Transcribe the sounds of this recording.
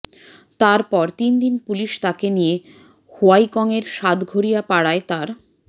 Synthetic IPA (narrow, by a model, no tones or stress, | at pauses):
t̪aɾpɔɾt̪ind̪inpuliʃt̪akenije | hoajkɔŋeɾʃad̪ɡʱoɾijapaɽaet̪aɾ